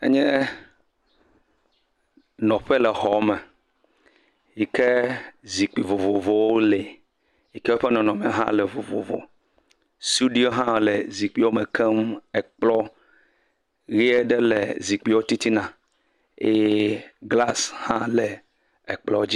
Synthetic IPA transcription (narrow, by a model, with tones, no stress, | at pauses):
ḛ˦ɲɛ̃˦ | nɔ̃˨ɸe˦lɛ˨hɔ˨˦mɛ˨ | ji˨kɛ˦zi˨k͡pi˨vo˨vo˨vo˨wo˦lɛ˨ | ji˨kɛ˦wɸe˦nɔ̃˨nɔ̃˨mɛ̃˨˦ɦã̰˦lɛ˨vo˨vo̰˨vo̰˨ | st̪u˦ɖi˦o˦ɦã˦˨lɛ˨zi˨k͡pi˦wo˦me˨kʰɛ˦mɛ˨k͡plɔ˦ | ɣi˦e˦ɖɛ˦lɛ̰˨zi˨k͡pi˦wo˦t̪i˦t̪i˦nã˨ | e˦ɡla˦shã˦lɛ˨ | ɛ˨k͡plɔ˦d͡ʑi˦